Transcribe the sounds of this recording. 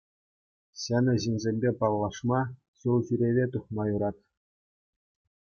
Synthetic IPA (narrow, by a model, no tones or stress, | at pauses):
ɕænʲɘ̆ʑinʲzʲemʲbʲepɑlˠːɑʂmɑ | ɕulˠʑyɾʲeʋʲet̪uχmɑjuɾɑt̪ʲ